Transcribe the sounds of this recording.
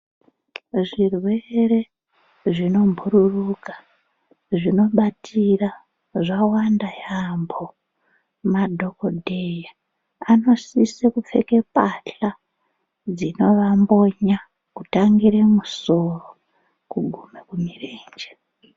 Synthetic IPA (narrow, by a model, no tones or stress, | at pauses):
ʐirweɾe̞ | ʐino̞mbʱuɾurukḁ | ʐino̞ɓatʰira | ʐawandajambo̞ | madʱo̞kodʱeja | ano̞sisekup͡fe̞̰ke̞paɬa | d͡zino̞ʋambo̞ɲa | kutaŋɡiɾemuso̞ro̞ | kuɡʱumekumireːnd͡ʒe